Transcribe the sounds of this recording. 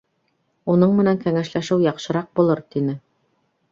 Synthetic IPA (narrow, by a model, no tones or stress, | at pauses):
unɤɴmɘ̆næŋkæŋæʃlæʃɘwjɑqʃɤ̆ɾɑq̚bulˠɤɾt̪inɘ